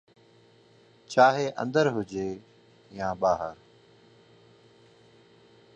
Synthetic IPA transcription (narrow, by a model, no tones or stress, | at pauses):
t͡ʃaːɦeːʔə̰̃nd̪əɾɦʊd͡ʒeː | jãːɓaːɦəɾ